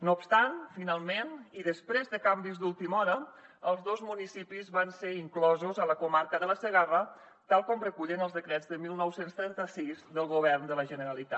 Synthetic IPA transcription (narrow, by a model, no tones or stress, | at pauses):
nopst̪anfinalˠmeniðəspɾezðəkambizd̪ulˠt̪imɔɾəəlˠzðozmunisipizβanseɾiŋklɔzuzələkumaɾkəðələsəɣarə | t̪alˠkɔmrəkuʎənəlˠzðəkɾɛd͡zðəmilˠnɔwsenst̪ɾɛnt̪əsizðəlˠɣuβɛrnd̪ələʒənəɾəlit̪a